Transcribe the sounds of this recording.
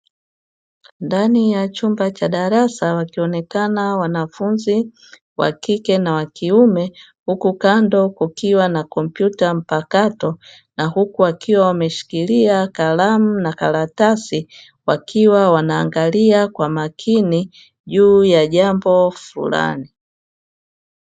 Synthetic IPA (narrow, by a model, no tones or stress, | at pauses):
ndanijat͡ʃumbat͡ʃaɗaɾasawakiɔnɛkanawanafunzi | wa̰kikɛnawakiumɛ | hukukandɔkukiwanakɔm̩pjutam̩pakatɔ | nahukuwakʰiwawamɛʃi̥kiliakalam̩nakalatasi | wakʰiwawanaːŋɡaliakwamakʰini | ʄuːjaʄambɔfṵla̰ni